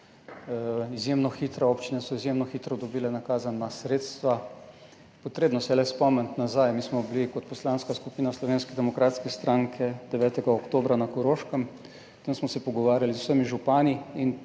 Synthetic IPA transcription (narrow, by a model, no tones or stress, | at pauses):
izjemnɔxit̪ɾaoːpt͡ʃinɛsɔizjemnɔxiːt̪ɾɔd̪ɔbiːlɛnakaːzanːasɾeːt̪st̪ʋa | pɔt̪ɾeːbnɔsɛlɛspɔmɛnt̪nazajmiːsmɔblikɔt̪̚pɔslanskaskupiːnaslɔʋeːnskɛd̪ɛmɔkɾaːt̪skɛst̪ɾaŋkʰɛd̪ɛʋɛːt̪ɛɡaokt̪oːbɾanakɔɾoʃkəm | t̪emsmɔsɛpɔɡɔʋaːɾjalizwsəmiʒupaːniin